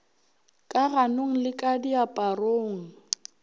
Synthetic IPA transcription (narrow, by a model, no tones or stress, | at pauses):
kʼaɣanoŋ̩lɪkʼadiapʼaroːŋ̩